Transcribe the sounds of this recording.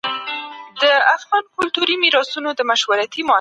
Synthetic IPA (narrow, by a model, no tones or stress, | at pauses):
d̪̥əafɣɑnkʊlt̪uɾimiɾɑsunod̪əmaʃwaɾat̪imo